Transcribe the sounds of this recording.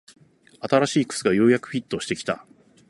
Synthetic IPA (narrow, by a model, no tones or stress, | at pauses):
at̪aɾaɕiːkɯ̟̥t͡sɨɡajo̞ːjakɯ̟̥ɸʲit̪ːo̞ɕi̥t̪e̞kʲi̥t̪a̰